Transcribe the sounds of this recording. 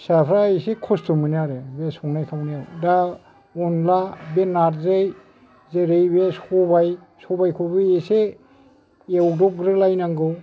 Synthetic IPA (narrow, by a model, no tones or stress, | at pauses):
sapʰɾaesekʰɔstumɯniaɾɯbesɔŋnajkʰawniaɾeda | ɔnlabenaɾzej | zeɾejbesɔbaj | sɔbajkʰobɯese | ewdɔk̚ɡɾɯlajnaŋɡɯw